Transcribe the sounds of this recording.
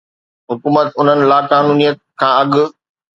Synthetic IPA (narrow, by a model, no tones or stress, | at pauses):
ɦʊkuːmət̪ʊn̤ənɪ̆laːkaːnuːnijət̪̚kʰãːɐɠʊ̆